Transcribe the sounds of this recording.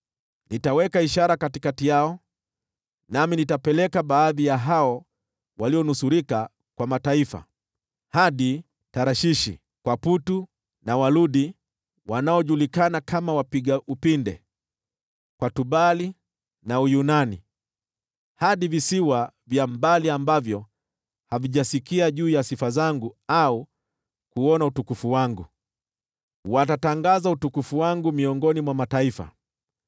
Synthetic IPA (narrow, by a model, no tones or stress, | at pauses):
nitawɛkaiʃaɾakatikatijaɔ | naminitapɛlɛkaɓaːðijaɦaɔ | waliɔnusuɾika | kwamataifa̰ | haɗi | taɾaʃiʃḭ | kwaputu | nawaluɗi | wanaɔʄulikanakamawapiɡaupindɛ | kwatuɓali | naujunanḭ | haɗivisiwavjambaliambavjɔ | haviʄasikiaʄuːjasifazaŋɡuau | kuɔnautukufuwaŋɡu | watataŋɡazautukufuwaŋɡumiɔŋɡɔnimwamataifa̰